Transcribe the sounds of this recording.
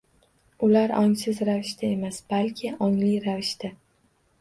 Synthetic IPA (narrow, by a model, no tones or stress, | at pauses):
ʊlaɾɒŋsɪzɾavɪʃt̪ʰae̞masb̥alkʲʰɪʔɒŋlijɾavɪʃt̪a